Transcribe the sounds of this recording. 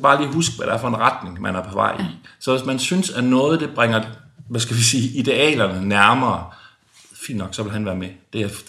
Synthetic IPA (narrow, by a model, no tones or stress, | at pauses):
b̥ɑ̈ːliːɦusɡ̥ʋæɾ̥ææɐfɒ̽e̝nʁɑd̥ne̝ŋmænæɐpʰɒ̽ʋɑ̰̈ɪ̰isɒ̽ʋe̝smænsynsænɔ̽ːð̞̩ˠd̥e̝b̥ʁɛŋɐʋæsɡ̥æʋisiːid̥e̝ɛ̰ːlɐnənæɐmɐː | fḭːnd̥nɒ̽ɡ̥sɒ̽ʋelɦænʋæːɐmed̥eæ